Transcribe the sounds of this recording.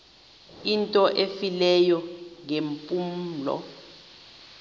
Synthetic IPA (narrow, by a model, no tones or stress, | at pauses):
intʼɔʔefilɛjɔŋempʼum̩lɔ̰